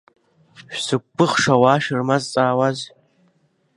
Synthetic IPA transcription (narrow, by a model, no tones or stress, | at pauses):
ʃᶣsɨk̚ʷpːɨχʂawaːʃɨrmazt͡sʼaːwaz